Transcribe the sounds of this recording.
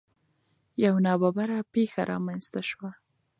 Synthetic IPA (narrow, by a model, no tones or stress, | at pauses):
jawnɑbabaɾapexa̰ɾʔɑ̰manzt̪aʃwa